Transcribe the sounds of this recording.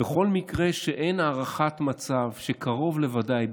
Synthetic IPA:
eχo̞lmikʁe̞ʃeʔe̞jnaːʁaχatmat͡savʃekaʁo̞vle̞vadaj

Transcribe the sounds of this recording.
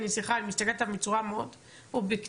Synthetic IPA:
nisiχalimist̪akelt̪amit͡suʁameod̪ | ubik

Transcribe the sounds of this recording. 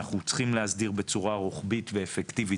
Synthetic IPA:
aχut͡sχimlehasdiʁbe̞t͡suʁaʁoχbitveːfektivi

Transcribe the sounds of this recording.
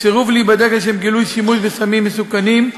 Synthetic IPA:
seʁuvlibad̪eɡeʃeemɡilujʃimuʃvesamimːesukanim

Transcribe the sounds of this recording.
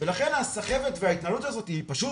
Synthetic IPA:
velaχe̞nhasaχe̞ve̞t̪veait̪nalutazo̞t̪iːpaʃu

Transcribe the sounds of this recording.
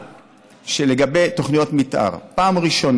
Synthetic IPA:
ʃeleɡabe̞jt̪o̞χnijo̞tmit̪ʔa̰ʁpaːmʁiʃo̞n

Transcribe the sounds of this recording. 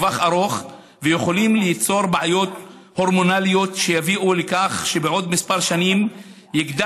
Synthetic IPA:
vaχaʁo̞χ | vejeχo̞limlit͡so̞ʁbeʕajo̞t̪ | ho̞ʁmo̞nalijo̞t̪ʃejaviʔulekaχʃe̞beʔo̞d̪mispaʁʃanim | jiɡd̪a

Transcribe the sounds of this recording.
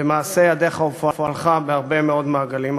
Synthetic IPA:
emaːsejad̪eχaufoafalχabeaʁbe̞meo̞d̪maːɡalim

